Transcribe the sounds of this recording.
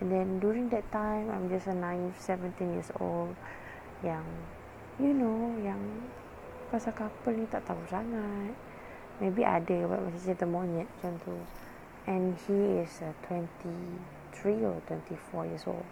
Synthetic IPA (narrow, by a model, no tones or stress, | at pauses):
ɛ̃ndɛ̃ndjuɹĩŋdɛtːãj̃mã̰jmd͡ʒasənãɪ̃nsɛvə̃ntĩnjiəso̰ld | jãŋ | junojãŋ | kasakapəlnĩt̪aʔt̪ausaŋat̚ | mebiʔa̰dəba̰t̚wɛ̰sased̪əmɔ̃nɛt̚d͡ʒɛ̃nt̪ʰu | ɛ̃nhiɪsətʰwɛ̃nti | t̪ʰɹiɔ̰twɛ̃ntifɔjiəso̰ld